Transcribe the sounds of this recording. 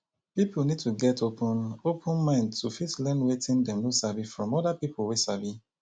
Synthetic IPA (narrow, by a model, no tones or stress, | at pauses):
pipulnid̚tuɡɛtopʰɔ̃nopʰə̃nmãɪ̃ntʰufitlɛ̃nwetɪ̃ndɛ̃mnosabifɹɔ̃mɔdapipʊlwesabi